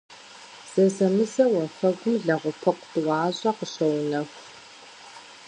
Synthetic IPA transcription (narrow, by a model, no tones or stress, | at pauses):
z̥ɐzɐmɨzɐwɐfɐɡʷʊmɮɐʁʷʊpʰɐqʷtʼɨwɑːʑʼɐqəɕɐwnɐxʷ